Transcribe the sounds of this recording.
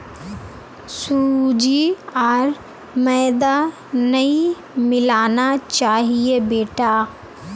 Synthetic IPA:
suːd͡ʒiaɾ | mɛːd̪a | nɐĩ | mɪlaːnat͡ʃaːɦiebeːʈaː

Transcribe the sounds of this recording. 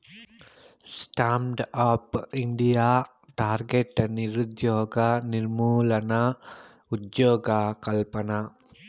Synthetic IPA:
sʈaːmɖaːpiɳɖijaː | ʈaːɾɡeʈniɾut̪joːɡaniɾmuːlɐna | ut̪joːɡakɐlpɐna

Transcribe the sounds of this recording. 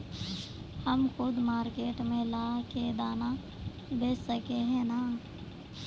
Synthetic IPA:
həmxʊd̪maːɾkeːʈmẽlaːked̪aːna | b̪eːsəkeɦɛ̃naː

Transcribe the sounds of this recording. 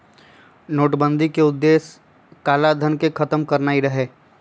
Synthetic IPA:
noːʈbə̃nd̪ʱikeʊd̪ːeːs | kaːlad̪ʱənkekʰɐt̪əmkɐɾnaːiɾɐɦeː

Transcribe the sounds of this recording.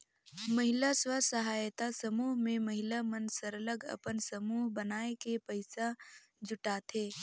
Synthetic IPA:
məɦɪlaswasɐɦaːjt̪asəmuːɦmẽməɦɪlamənsəɾələɡə̰pənsəmuːɦbənaːekepəɪsa | d͡ʒʊʈat̪ʰeː

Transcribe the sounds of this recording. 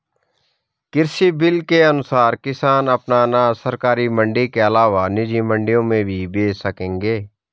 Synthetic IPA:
kɪɾsibɪlkeənʊsaːɾkɪsaːnəpnanasəɾkaːɾimə̃ɳɖikeəlaːʋanɪd͡ʒimə̃ɳɖijõmẽbʱibeːsəkẽːŋɡeː

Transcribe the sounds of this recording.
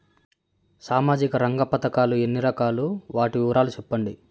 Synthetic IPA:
saːmaːd͡ʒikɐɾɐŋɡɐpɐt̪ɐkaːlue̞nːiɾɐkaːluʋaːʈiuːɾaːlut͡ʃɛpːɐɳɖi

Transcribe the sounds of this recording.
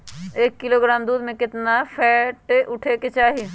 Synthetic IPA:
eːkːɪloɡɾaːmd̪uːd̪mẽkɪt̪napʰɛːʈʔʊʈʰeket͡ʃaːɦi

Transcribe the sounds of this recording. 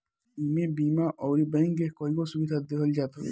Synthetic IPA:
imebiːmaʔɔːɾibɛ̃ŋɡekɔikosubid̪ad̪ekʰɔld͡ʒaːt̪o

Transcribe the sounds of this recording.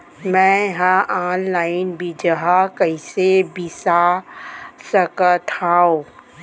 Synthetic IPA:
mɛ̃ɦãʔaːnlaːɪnbʱid͡ʒəɦakəɪsebisa | səkət̪ʰaõ

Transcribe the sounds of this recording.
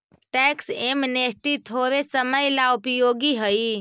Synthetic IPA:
ʈɛksemnesʈit̪ʰoːɾesəməjlaʊpjoːɡiɦəi

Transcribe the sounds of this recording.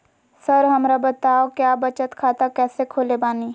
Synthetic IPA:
sɐɾɦɐmɾabɐt̪aːokjaːbɐt͡ʃət̪kʰaːt̪akɛːsekʰoːlebaːniː

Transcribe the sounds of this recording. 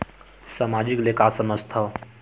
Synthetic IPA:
saːmaːd͡ʒiklekasəməst̪ʰə

